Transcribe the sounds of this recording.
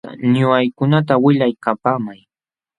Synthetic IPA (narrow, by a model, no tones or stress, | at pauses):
a̰ɲʊajkʊnat̪̬awɪʎajkapaːmaj